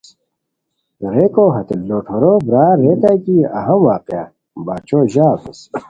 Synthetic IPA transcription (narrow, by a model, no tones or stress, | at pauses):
ɾeːkoɦɐt̪lːoːʈʰoːɾobɾaːɾet̪akiɐ̰ɦɐmwaːqja̰ | baːt͡ɕʰoːʑaːt̪es